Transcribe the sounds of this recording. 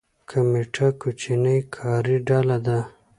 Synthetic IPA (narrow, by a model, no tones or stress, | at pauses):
kʰameʈʰakut͡ʃinəjkʰɑːɾiɖalad̪a